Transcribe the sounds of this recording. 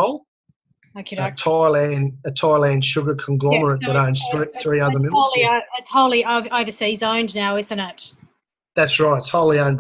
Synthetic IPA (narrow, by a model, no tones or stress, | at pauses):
ʊlˠ | æ̃kʰətʰaɪlæ̃nɨtʰaɪlˠæ̃n̥ʃʊɡə˞kʰn̩ɡlɑmə˞ət̚b̥əɾə̃ʊ̃nz̥θɹiθɹiʌðə˞mɪ̃m̩ʊllˠiɪtshoʊlˠiʔoʊvəʊvə˞sizõʊ̃ndnaʊɪzɨ̃ñɪt̚ | ðætsɹaɪtɨtshoʊlˠiə̃ʊ̃nb